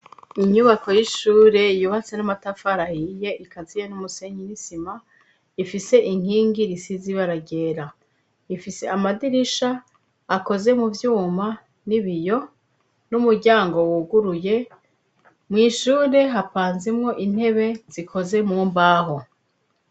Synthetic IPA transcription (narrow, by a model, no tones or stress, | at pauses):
iɲuβako̞jiʃuːɾe̞juβat͡se̞namatafaɾahije̞ʔikazijenumuse̞ɲinisima | ifise̞ʔiŋ̥hiːŋɡiɾisiziβaɾaɟe̞ːɾa | ifise̞̰amadiɾiʃaː | ko̞ze̞muvjuːma | niβijo̞ | numuɾɟaːŋɡo̞wuɡuɾuje̞ | mŋiːʃuːɾe̞ɦapaːnzimŋo̞ʔin̥he̞βe̞zikʰo̞ze̞muːmbaːɦo̞